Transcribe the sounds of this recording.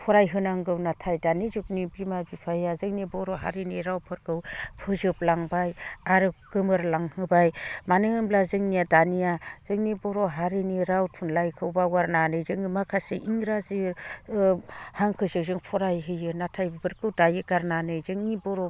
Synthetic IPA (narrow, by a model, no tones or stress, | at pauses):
pʰɔɾajɦɯnaŋɡɯwnatʰajdanizuk̚nibimabipʰajazɯŋnibɔɾɔɦa̰ɾiniɾawpʰɯɾɡɯwpʰɯzɯplaŋbajaɾɯɡ̥ɯmɯɾlaŋhɯbajmanɯɯmblazɯŋnijadanijaz̥ɯŋnibɔɾɔɦaɾiniɾawtʰunlajkʰɯwbawaɾnanɯjzɯŋimakʰaseʔiŋɾazi | haŋkʰɯzɯkzɯŋpʰɔɾajɦɯjɯnatʰajbbɯɾkɯwdajɯɡaɾnanɯjzɯŋnibɔɾɔ